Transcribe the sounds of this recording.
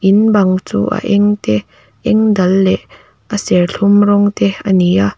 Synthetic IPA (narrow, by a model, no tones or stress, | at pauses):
ʔinbɐŋt͡sṵːʔa̰ʔɛŋt̪ɛ | ʔɛŋd̪ɐlːɛʔ | əsɛrɬʰumrɔŋt̪ɛɐnija